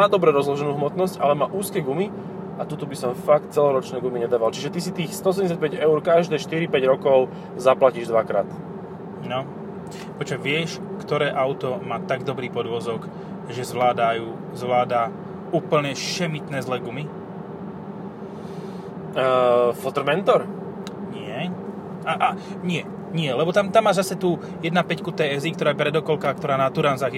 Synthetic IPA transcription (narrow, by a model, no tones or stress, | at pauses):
aːd̪ɔbɾɛɾɔzlɔʒɛnuːɦmɔt̪nɔscalɛmaːʔuːskɛːɡumi | ʔat̪ut̪ubisɔmfak̚t̪̚t͡sɛlɔɾɔt͡ʃnɛːɡumiɲɛd̪aːʋalt͡ʃiʒɛt̪isit̪iːxst̪ɔɔs̬ɛɲɛs̬jac̚pɛɟɛʊɾkaʒd̪ɛːʃt̪iɾipɛɟɾɔkɔʊ | zaplaciːʒd̪ʋakɾa̰ːt̪ | nɔ | pɔt͡ʃɛʋɪɛʃ | kt̪ɔɾɛːʔaʊt̪ɔmaːt̪aɡd̪ɔbɾiːpɔd̪ʋɔzɔk | ʒɛzʋlaːd̪ajuː | zʋlaːd̪a | uːpl̩ɲɛʃɛmit̪nɛːzlɛɡumi | fɔt̪ɾ̩mɛnt̪ɔɾ | ɲɪɛ | ʔaʔaɲɪɛ | ɲɪɛlɛbɔt̪amt̪amːaːzasɛt̪uː | jɛd̪napɛckut̪ɛɛzikt̪ɔɾaːjɛpɾɛd̪ɔkɔlkak̚t̪ɔɾaːnat̪uɾanzaːɣ